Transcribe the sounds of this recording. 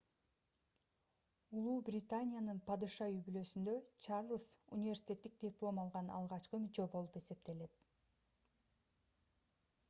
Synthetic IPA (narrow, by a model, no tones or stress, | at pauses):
ulˠuːbrʲɪt̪anʲɪjanɯnpɑd̪ɯʃɑybylø̞synd̪ø̞t͡ʃʰɑrlˠɨsṵnʲivʲe̞rsʲi̥tʲe̞t̪ːik̚d̪ʲiplˠo̞mɑlˠʁɑnɑ̰lˠʁɑt͡ʃqɯmyt͡ʃø̞bo̞lˠupe̞se̞p̚t̪e̞le̞t̪̚